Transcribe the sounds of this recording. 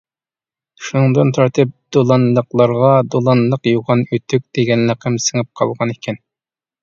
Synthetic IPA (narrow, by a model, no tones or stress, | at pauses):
ʃunɨŋd̪ɨnt̪ʰɑɾt̪ʰɨp̚d̪̥olˠɑnlˠəqlˠɑɾʁɑd̪olˠɑnlˠəqjuʁɑnøt̪ʰyk̚ʲd̪̥eɡʲɛnlɑqʰəmsəŋɨp̚qʰɑlˠʁɑnekʲʰɛn